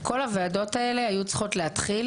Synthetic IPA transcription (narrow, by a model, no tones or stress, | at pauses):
ko̞lhaveado̞tae̞le̞ajut͡sχo̞tleɦat̪χil